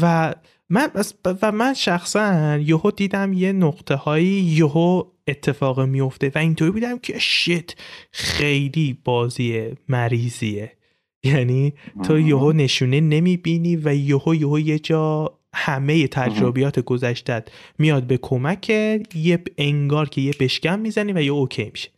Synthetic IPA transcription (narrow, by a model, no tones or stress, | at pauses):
væ | mænæsvæmænʃæxsænjohod̪iːd̪æmje̞noɣt̪ʰe̞hɒːjiːjoɦo | et̪ʰːe̞fɒːɣimijo̞ft̪e̞væint̪ʰoɾibuːd̪æmcʰe̞ʃet̪ʰxejliːb̥ɒːziːemæɾiːziːe | jæniːt̪ʰɔːjoɦone̞ʃuːne̞ne̞miːbiniːvæjohojohoje̞d͡ʒɒː | hæme̞je̞t̪ʰæd͡ʒɾobijɒːt̪ʰeɡozæʃt̪æd̪̥mijɒːd̪̚be̞kʰo̞mæcʰejeeŋɡɒːɾcʰe̞jebe̞ʃcænmiːzænivæjohocʰejmi̥ʃe̥